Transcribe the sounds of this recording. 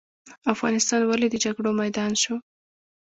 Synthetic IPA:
afɣɑnɪst̪ɑnwaled̪əd͡ʒaɡɽomajd̪ɑnʃo

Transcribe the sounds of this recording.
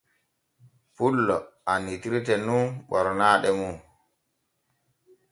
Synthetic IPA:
pulːɔanitiɾtɛnunɓɔɾnaːɗɛmu

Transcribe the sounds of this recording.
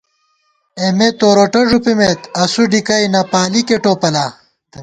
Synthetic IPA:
emet̪oːɾoʈoʐupimet̪ɐsuɖikɐjnɐpaːlikeʈoːpɐlaː

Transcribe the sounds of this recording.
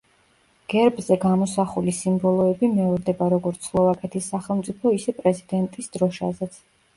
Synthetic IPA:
ɡ̥ɛɾbzɛɡamɔsaχulisimbɔlˠɔɛbimɛɔɾd̪ɛbaɾɔɡɔɾt̪sʰχlˠɔvakʼɛt̪ʰisːaχɛlˠmt̪sʼipʰɔisɛpʼɾɛzid̪ɛnt̪ʼisd̪̥ɾɔʃa̰zɛt̪sʰ

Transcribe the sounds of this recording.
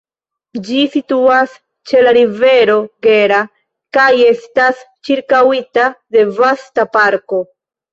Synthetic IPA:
d͡ʒisituas | t͡ʃe̞laɾive̞ɾo̞ɡe̞ɾa | kaje̞stas | t͡ʃiɾkawitade̞vastapaɾko̞

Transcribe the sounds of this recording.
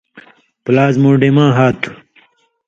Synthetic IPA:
plaːzmoːɖemãːɦaːt̪ʰu̥

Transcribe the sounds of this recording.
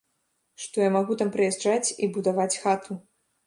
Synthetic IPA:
ʂt̪ɔjamaɣut̪ampɾɨjɛʐd͡ʐat͡sʲibud̪avat͡sʲxat̪ʰu

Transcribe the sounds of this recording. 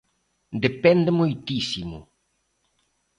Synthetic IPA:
d̪epɛnd̪emojt̪isimʊ̰

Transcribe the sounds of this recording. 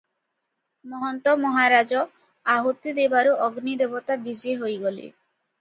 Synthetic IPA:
mɔɦɔnt̪ɔmɔɦaɾad͡ʒɔ | aɦot̪ːid̪ebaɾuʔɔɡnid̪ebɔt̪abid͡ʒeɦojɡolḭ

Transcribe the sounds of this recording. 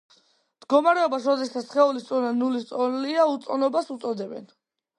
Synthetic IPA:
md̪̥ɡɔmaɾɛɔbasɾɔd̪ɛst̪asχɛulist̪ʼɔnanulist̪sʼɔliaut̪sʼɔnɔbasut̪sʼɔd̪ɛbɛ̰n

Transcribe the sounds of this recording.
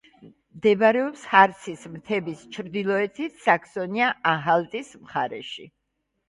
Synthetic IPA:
md̪ɛbaɾɛɔpshaɾt̪sʰismt̪ʰɛbist͡ʃʰɾd̪ilˠɔɛt̪ʰit̪ʰsakʰsɔniaʔaɦalˠt̪ʼismχaɾɛʃḭ

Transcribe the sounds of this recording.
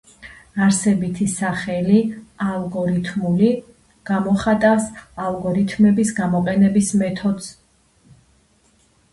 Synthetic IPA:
aɾsɛbit̪ʰisaχɛlialˠɡɔɾit̪ʰmuli | ɡ̥amɔχat̪ʼafsalˠɡɔɾit̪ʰmɛbisɡamɔqʼɛnɛbismɛt̪ʰɔd̪s

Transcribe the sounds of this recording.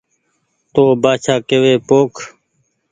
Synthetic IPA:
t̪oːbaːt͡ʃʰaːkeːʋeːpoːkʰ

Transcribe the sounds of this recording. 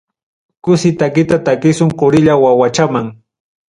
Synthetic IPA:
kʊsɪt̪akɪt̪at̪akɪsʊŋqʊɾɪʎawawat͡ʃamaŋ

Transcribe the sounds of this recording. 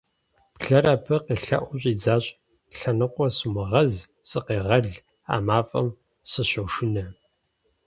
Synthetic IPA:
pɬɐɾapʰɐqeːɬɐ̰ʔʷʊɕʼiːd͡zaːɕʼ | ɬɐnɨqʷɔsɨmɐʁɐz | sʼɨqeːʁɐɮ | a̰ːmaːfʼɐ̰m | sɨɕɐwʂɪnɐ

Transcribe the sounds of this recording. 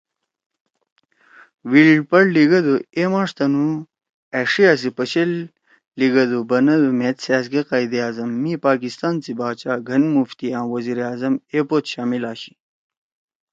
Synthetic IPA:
wilɖpɐɽliɡɐd̪oemaːʂt̪ɐnu | eʂias̬ipɐɕelː | iɡɐd̪ubɐnɐd̪umet̪saːsɡeqajd̪iaːzɐmːipaːkist̪aːnt͡sibaːt͡ɕaːɡʱɐnmuft̪iãːwɐziɾaːzɐmepoːt̪ɕaːmilaːxi̥

